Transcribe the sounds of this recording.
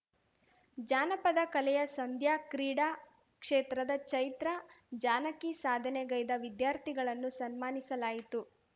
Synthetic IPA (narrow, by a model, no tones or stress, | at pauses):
d͡ʒaːnɐpɐd̪ɐkɐlɛjɐsɐnd̪ʱjaːkɾiːɽaː | kʂeːt̪ɾɐd̪ɐt͡ʃɐjt̪ɾɐd͡ʒaːnɐkisaːd̪ʱɐneɡɐjd̪ɐʋid̪jaːɾt̪ʰiɡɐɭɐnːusɐnmaːnisɐlaːjit̪u